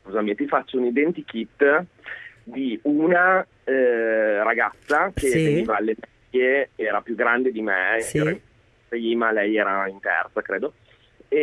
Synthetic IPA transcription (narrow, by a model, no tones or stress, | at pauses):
skuzamit̪ifat͡ʃːounid̪ɛnt̪ik̟it̪ː | d̪iuna | ɾaɡat̪sːakeveniːvaːlːemɛʎːeɛːɾapjuɡɾand̪ed̪imeɛːɾai | pɾiːmalɛjɛːɾaint̪ɛ̰rt̪sakɾeːd̪o | e